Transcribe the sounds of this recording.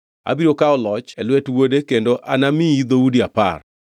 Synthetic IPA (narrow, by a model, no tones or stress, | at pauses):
a̰biɾokaɔlɔt͡ʃɛlwetwodekendoʔa̰namiid̪oudiapa̰r